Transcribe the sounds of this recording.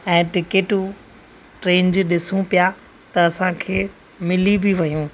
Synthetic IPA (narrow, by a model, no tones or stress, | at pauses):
ɛ̃ːʈɪkeʈu | ʈɾẽːnd͡ʑɗɪsũpija | t̪ɐɐsãkʰeː | mɪlibɪʋɐjũː